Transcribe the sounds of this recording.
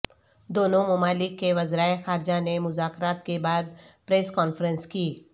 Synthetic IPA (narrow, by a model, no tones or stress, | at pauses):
d̪oːnõmʊmaːlɪkːeʋɐzɾaːexaːɾd͡ʒanemʊzaːkɾaːt̪kebaːd̪pɾeːskɔːnfɾə̃nskiː